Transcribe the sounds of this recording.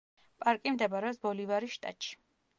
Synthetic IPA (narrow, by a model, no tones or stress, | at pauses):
pʼaɾkʼimd̪ɛbaɾɛɔsbɔlivaɾiʃt̪ʼa̰t̪ʼʃi̥